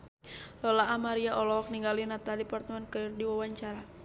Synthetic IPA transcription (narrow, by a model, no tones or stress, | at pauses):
lɔlaʔamaɾiaʔɔlɔk̚niŋɡalinat̪adipart̪əmɛnkəirdiwawaɲt͡ʃaɾa